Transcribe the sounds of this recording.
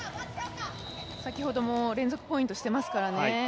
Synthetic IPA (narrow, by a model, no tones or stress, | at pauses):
sakʲiho̞d̪o̞moːɾẽ̞nd͡zo̞kɯ̟po̞ĩnt̪o̞ɕi̥t̪e̞masɨ̥kaɾane